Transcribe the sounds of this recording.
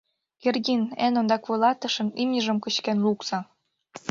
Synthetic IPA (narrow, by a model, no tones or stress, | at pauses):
kerɡʲinenond̪ɑkβɤlˠɑt̪ə̆ʃɤ̆nimnʲəʒə̆mkə̆t͡ɕkenluksɑ